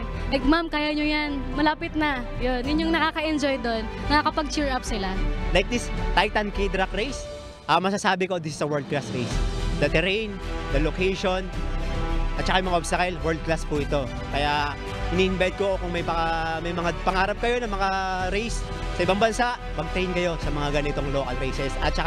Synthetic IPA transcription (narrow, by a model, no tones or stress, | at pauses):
ʔɐɡ̚mamkaːjaɲojanmɐlaːpɪt̪̚nɐjonjʊɲɲːoŋnɐkaːkɐʔɛnd͡ʒojd̪o̞nːɐŋakɐpɐɡ̚t͡ʃɛɹʔap̚sɪlalajk̚d̪ist̪ajt̪ɐnkid̪ɾakɾejs | ʔɐmɐsasaːbɪko̞d̪ɪsɪsɐwɛɹld̪̚klasɾejsd̪ɐt̪ɛɾɛjnd̪ɐlokɛjʃo̞n | ʔɐt̪̚t͡ʃɐkajʊŋmɐŋaʔobsɐkɛlwɛɹld̪̚klaspuʔɪt̪o̞ | kɐja | hɪniːʔɪnbajt̪̚koʔokʊŋmɐjpɐamɐjmɐŋapɐŋaːɾɐp̚kɐjo̞nɐmɐŋaɾejs | sɐɪbaŋbɐnsaʔpɐɡ̚t̪ɐɪnkɐjo̞sɐmɐŋaɡɐnɪt̪o̞ŋlo̞ːkɐlɾejsɛsɐ̰t̪̚t͡ʃɐk